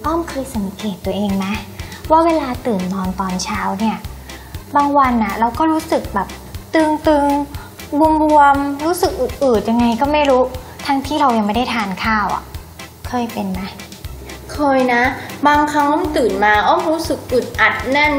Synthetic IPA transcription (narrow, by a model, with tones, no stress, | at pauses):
t̪ɔ˥˩mkʰɤː˧jsa˨˩˦mkeː˨˩t̪ːu˧ɐʔeː˧ŋna˦˥waː˥˩weː˧laː˧t̪ɯː˨˩nːɔː˧nt̪ɔː˧nt͡ɕʰaː˦˥wni˥˩ɐ | baː˧ŋwa˧nʔa˨˩ɾa˧wkɔː˥˩ɾuː˦˥sɯ˨˩k̚bɛː˨˩p̚t̪ɯː˧ŋt̪ɯː˧ŋ | bu˧əmɾu˧əmɾuː˦˥sɯ˨˩k̚ʔɯ˨˩ʔɯː˨˩t̪̚ja˧ŋːa˧jkɔː˥˩ma˥˩jɾuː˦˥t̪ʰa˦˥ŋt̪ʰiː˥˩ɾa˧wja˨˧ŋma˥˩jda˥˩t̪ʰaː˧nkʰaː˥˩wʔa̰˨˩ | kʰɤː˧jpe˧nma˦˥ | kʰɤː˧jna˦˥baː˧ŋkʰɾa˧˦˥lɔ˥˩ŋt̪ɯː˨˩nmaː˧ʔɔː˥˩mɾuː˦˥sɯ˨˩k̚ʔɯ˨˩t̪̚ʔa˨˩t̪̚na˥˩n